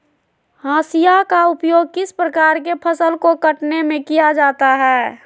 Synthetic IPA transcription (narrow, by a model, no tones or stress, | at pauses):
ɦãːsijakaʊpjoːɡ̚kɪspɾəkaːɾk̬epʰəsəlkokəʈnemẽkijad͡ʒaːt̪aɦɛː